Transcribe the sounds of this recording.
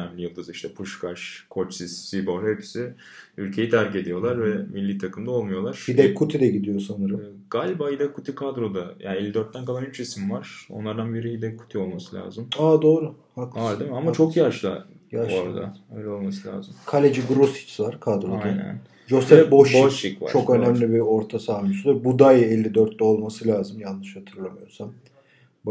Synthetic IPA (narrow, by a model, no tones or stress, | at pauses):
ɛmlʲijɯlˠd̪ɯziʃt̪ʰɛpʰuʃkʰaʃkʰo̞t͡ʃsisːibohɛpsi | ylʲcʰe̞jɛd̪ʰæɾce̞d̪ijo̞lˠaɾvɛmilʲːiːt̪ʰakɯmd̪ao̞lˠmujo̞lˠaɾ̥id̪ɛkʰːut̪ʰid̪ɛɟid̪ijo̞sanɯɾɯmː | ɡalʲbahid̪ɛkʰut̪ʰikʰad̪ɾo̞d̪aja̰ːnelʲːid̪øɾt̪ːænkalˠanyt͡ʃismvaɾ̥o̞̰nlˠaɾd̪anbeɾiɦid̪ɛkʰːu̥t̪ʰio̞lˠmasɯlʲa̰ːzɯmaːd̪o̞ːɾu | haklad̪emiamat͡ʃʰo̞kjaɾʃlˠa̰ | jaɾoɾad̪a̰øjlʲɛo̞lˠmasɯlʲa̰ːzɯmkʰalʲed͡ʒiɡɾosi̥t͡ʃ̪vaɾ̥kʰad̪ɾoanɛ̰n | d͡ʒosɛfboʃʃikva̰t͡ʃʰo̞kø̞næmlʲibio̞ɾt̪ʰasaːmisud̪ɛbud̪ajɛlʲːid̪øɾt̪lɛo̞lˠmasɯlʲaːzɯmjanːɯʃhat̪ʰɯɾlˠamɯjo̞sam